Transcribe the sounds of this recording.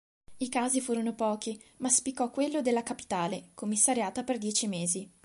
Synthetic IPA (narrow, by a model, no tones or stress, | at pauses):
ikaːzifuːɾonopɔːki | maspikːɔkːwelːod̪elːakapi̥t̪aːlekomːisːaɾjaːt̪aperd̪jɛːt͡ʃimeːzi